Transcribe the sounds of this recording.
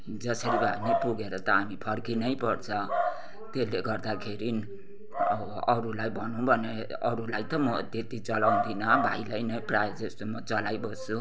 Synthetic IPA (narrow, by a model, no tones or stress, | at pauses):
d͡zʌsʌɾibʱanʌjpuɡeɾʌt̪ʌamipʰʌrkinʌjpʌrt͡sʰʌ | t̪eleɡʌrd̪akʰeɾin | ʌɾulajbʱʌnũbʱʌne | ʌɾulajt̪ʌmʌt̪et̪it͡sʌlaw̃nd̪inʌbʱa̰jlajnʌjprajd͡zʌst̪omʌt͡sʌlajbʌst͡sʰu